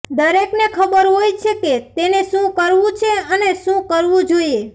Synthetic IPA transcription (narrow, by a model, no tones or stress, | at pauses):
d̪əɾeknekʰəbəɾɦojt͡ʃʰeket̪eneʃũkəɾʋũt͡ʃʰeəneʃũkəɾʋũd͡ʒoie